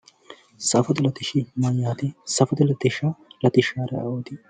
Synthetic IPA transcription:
sɐfɐt̪ɪlɐt̪ɪʃimajaːt̪ɪsɐfɐt̪ɪlɐt̪ɪʃalɐt̪ɪʃaːɾɛ̰ʔɐoːt̪i

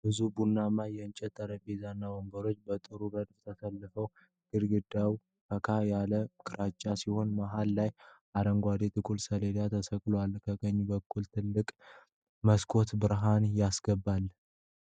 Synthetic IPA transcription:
bɨzubunːamajɛnt͡ʃʼɛt̪ʰːəɾəbezanːawoŋɡəɾo̞t͡ʃːbət̪ʼɨɾubəd̪ft̪ʰəsəlːəfəw | ɡ̥ɨɾɡɨd̪aw | fəkʰajaləkʰʼɨɾat͡ʃʼːasiho̞nmaɦalːajʔaɾəŋɡʷad̪et̪ʰʼɨkʼulsəled̪at̪ʰəsəkʼlowalkʰəɡəɲːbəkʼːult̪ʰɨlːɨkʼ | məskʰo̞t̪bɨɾɦanjasɡ̥əbːalː

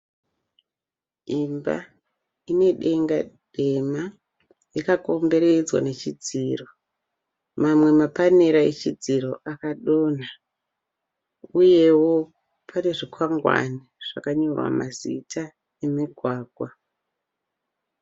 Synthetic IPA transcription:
imba̰ | ine̞ɗe̞ŋɡad̥ʱe̞ma | jikako̞mbe̞ɾed͡zwa̰ne̞t͡ʃid͡ziːro̞ | mamwe̞mapaneɾaet͡ʃid͡ziɾo̞ʔakaɗo̞ːna | uje̞wo̞ | pʰane̞ʐikʰwaŋɡwa̰niʐ̥a̰kaɲo̞rwa̰mazitʰa | emiɡʱwaːɡʱwa

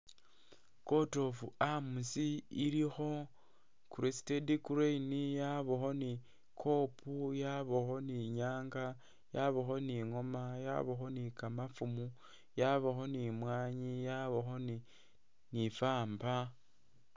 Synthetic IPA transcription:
ko̞to̞fuamusiilixo̞ | kuɾesi̥tedikuɾeinijaβoxo̞ni | kʰo̞pʰujaβoxo̞niɲaːŋɡa | jaβoxo̞niŋo̞maja̰βoxo̞nikamafumu | jaβoxo̞nimwaːɲijaβoxo̞ni | nifaːmba

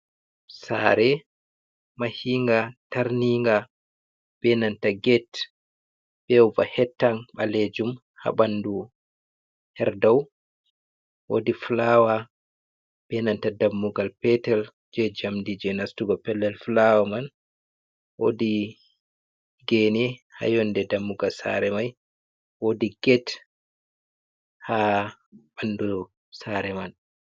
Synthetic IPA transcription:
sa̰ɾɛ | mahiŋɡataɾniŋɡa | b̥ɛnantaɡɛt | b̥ɛwvahɛtːaŋɓaled͡ʒum | ha̰ɓandu | hɛɾdaw | wo̰diflawa | b̥ɛnantadamːuɡalpɛtɛl | d͡ʒɛd͡ʒamdid͡ʒɛnastuɡɔpɛlːɛlflawaman | wodi | ɡɛnɛha̰jɔndɛdamːuɡalsa̰ɾɛmaj | wodiɡɛt | ha | bandu | saɾɛman

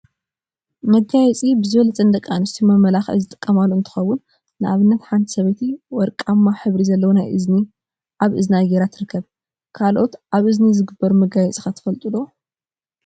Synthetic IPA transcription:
mɐɡajɛt͡sʼibɨzɨβɐlɐt͡sʼɐnd̪ɐkʼːanɨst̪ʰimɐmːɐlaxzɨt̪ʼɨ̥kʼːɐmaloɨnt̪ʰɨ̥xɐwːʊnː | ɨʔaβɨnːɐt̪ħant̪ʰi̥sɐβɐjt̪ʰiwɔɾkʼamːaħɨβɾizɐlːɐwonajʔɨzni | ʔaβʔɨznajeɾat̪ʰɨɾɨkʰːɐβ | kʰalʔo̞t̪ʔaβʔɨznizɨɡɨbːɐɾumɐɡajɛt͡sʼixat̪ʰɐ̥fɐlt̪ʼɨlo

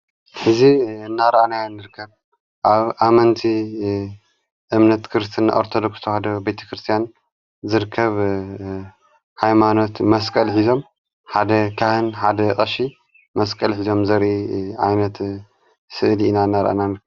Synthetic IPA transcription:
ħɨziɨnːaɾɐʔananːɨɾɨkʰːɐβ | ʔaβʔamɐnt̪ʰi | ʔɨmnɐt̪kʰɨɾɨst̪ʰɨnʔo̰ɾt̪ʰod̪okst̪ʰohad̪ɐbejt̪ʰɐ̥kʰɾɨst̪ʰijan | zɨɾɨkʰːɐβ | ħajmano̞t̪mɐskʼɐlħizo̞m | ħad̪ɐkʰahɨnħad̪ɐkʼɐʃi | mɐskʼɐlħizo̞mzɐɾʔiʕajnɐt̪ | sɨʔliinanːaɾɐ̰ʔa̰nanɨɾkʰːɐ

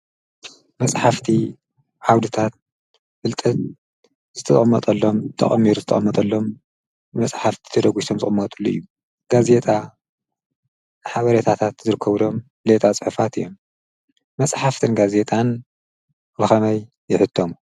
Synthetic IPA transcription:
mɐsʼħaft̪ʰi | ʕawd̪ɨt̪ʰat̪̚ | fɨlt̪ʼɐt̪̚ | zɨt̪ʰɐʔʼmːɐt̪ʼɐlːo̞mt̪ʰɐ̰χʼɐmːiɾuzɨt̪ʰɐ̰χʼɐmːɐt̪ʼɐlːo̞m | ɨmɐsʼħaft̪ʰi̥t̪ʰɐd̪ɐɡut̪ʰo̞mzɨχʼɨmːɐt̪ʼulːuɨ̰jːu | ɡ̥aze̞t̪ʼa | ħaβɐɾet̪ʰat̪ʰat̪zɨɾɨkʰːɐβɨd̪o̞m | let̪ʼat͡sʼɨħɨfat̪ɨjom | mɐsʼħaft̪ʰɨnɡaze̞t̪ʼan | bɨxɐmɐjːɪħɨt̪ʰːomu

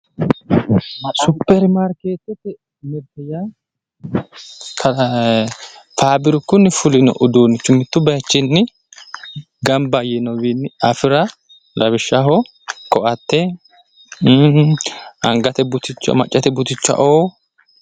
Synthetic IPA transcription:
sʊpːɛɾmaɾkeːt̪ːɛt̪ːɛ | mɪɾt̪ɛja | kʰɐ | faːbɪɾʊkːʊnːɪfʊlɪnɔ̰ʔʊd̪uːnːɪt͡ʃːʊmɪt̪ːʊbɐjt͡ʃːɪnːɪ | ɡɐmbɐjɛnɔwinːɪɐfɪɾɐ | lɐbɪʃːɐɦɔ | kʼɔʔɐt̪ːɛ | ɐŋɡɐt̪ɛbʊt̪ɪt͡ʃːmɐt͡ʃʼːɐt̪ɛbʊt̪ɪt͡ʃːɐ̰ʔoː

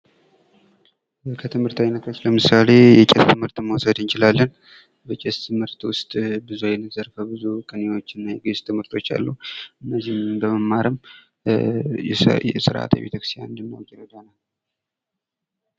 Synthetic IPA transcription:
kʰət̪ʰɨmhɨɾt̪ʰawinːət̪ʰo̞t͡ʃːləmɨsale̞jɛt͡ʃʼɛst̪ʰɨmhɨɾt̪mːəwsəd̪nt͡ʃɪlalːən | bət͡ʃʼɛst̪ʰɨmhɨɾt̪wʊst̪ʼbɨzuajɛlɨzəɾfəbɨzukʼɨnewo̞t͡ʃːɪnːajɛɡest̪ʰɨmhɨɾt̪ʰo̞t͡ʃːa̰lːuɨnːəzimbəməmːaɾɨm | jɛsɨɾʔa̰t̪ʰa̰bet̪əkɾɨ̥st̪ja̰nɨnd̪əmːawkʼːɛɾəd̪anal

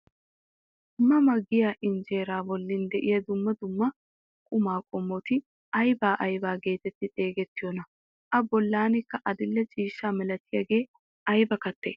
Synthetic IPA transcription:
mːɐmɐɡːɪjaːʔɪnd͡ʒe̞ːɾaːbɔlːɪnd̪ɛʔɪjɐd̪ʊmːɐd̪ʊmːɐ | kʼʊmaːkʼɔmːɔt̪ɪ | ʔɐjbaːʔɐjbaːɡe̞ːt̪ɛt̪ːɪt̪ʼe̞ːɡɛt̪ːɪjɔnɐ | ʔɐbɔlːaːnɪkːɐʔɐd̪ɪlːɛt͡ʃʼiːʃːaːmɛlɐt̪ːɪjɐɡe̞ː | ʔɐjbɐkɐt̪ːe

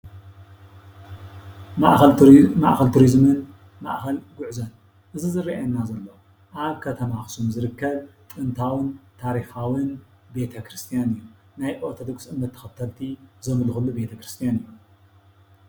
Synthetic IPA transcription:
maʔma̰ʔxɐlt̪ʰuɾizmɨn | ma̰ʔxɐlɡʊʕzɐn | ʔɨzɨzɨrːiʔɐnːazɐlːɐ | ʔaβkʰɐt̪ʰɐmaxsumzɨɾɨkːɐβt̪ʼɨnt̪ʰawɨnt̪ʰaɾixawɨn | be̞t̪ʰɐkʰɾɨst̪ʰijanɨjːu | najʔʼot̪ʰod̪oɡsʔɨnːɐt̪ʰːɐ̥xɐt̪ʰːɐlt̪ʰizɐmɨlxulːube̞t̪ʰɐkɾɨst̪ʰijanɨjːu

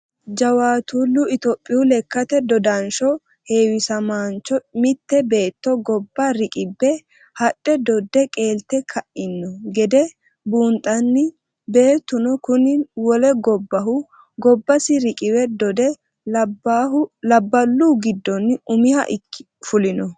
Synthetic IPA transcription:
d͡ʒɐwaːt̪ulːʊɪt̪ɔpʼːɪjʊlɛkːɐt̪ɛd̪ɔd̪ɐnʃɔ | he̞ːwɪsɐmaːnt͡ʃɔmɪt̪ːɛbe̞ːt̪ːɔɡɔbːaɾɪkʼɪbːɛ | hɐɗʼːɛd̪ɔd̪ːɛkʼe̞ːlt̪ːɛkʰɐʔɪnːɔɡɛd̪ɛ | buːnt̪ʼːɐnːɪ | be̞ːt̪ːʊnɔkʊnɪwɔlɛɡɔbːɐɦʊ | ɡɔbːɐsɪɾɪkʼɪwɛd̪ɔd̪ɛ | lɐbːɐlːuːɡɪd̪ːɔnːʊmɪhɐ̰ʔɪkːɪ̥ | fʊlɪnɔ

